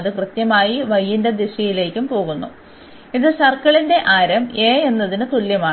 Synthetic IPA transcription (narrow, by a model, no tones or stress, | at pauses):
ðɨkrɨt̪jɐmaːjiʋɐjːinde̞d̪iʂɐjile̞ːkʲːumpo̞ːɣunːu | iðɨɕɐrkːɐɭinde̞ʔaːɾɐme̞ːe̞nːɐðinɨt̪uljɐmaː